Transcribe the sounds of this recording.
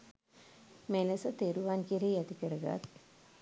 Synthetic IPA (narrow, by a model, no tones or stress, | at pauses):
meləsət̪eɾuʋankiɾeːjæt̪ikəɾəɡa̰t̪